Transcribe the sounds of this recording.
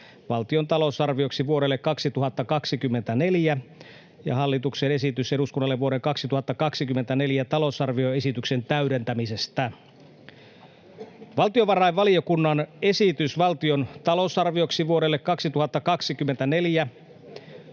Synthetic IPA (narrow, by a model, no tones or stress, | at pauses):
ʋɑlt̪iont̪ɑlo̞sɑrʋioksiʋuoɾe̞lːekːɑksit̪uɦɑt̪ːɑkɑksikymːe̞nt̪æne̞ljæ | jɑ̰ɦɑlːit̪uksene̞sit̪yse̞ɾuskunːɑlːe̞ʋuo̞ɾeŋkɑksit̪uhɑt̪ːɑkɑksikymːe̞nt̪æne̞ljæt̪ɑlo̞sɑrʋio̞e̞sit̪ykse̞nt̪æydent̪æmise̞st̪æ | ʋɑlt̪ioʋɑrɑjʋʋɑliokunːɑne̞sit̪ysʋɑlt̪io̞nt̪ɑlo̞sɑrʋio̞ksiʋuoɾe̞lːekkːɑksit̪uhɑt̪ːɑkɑksikymːent̪æne̞ljæ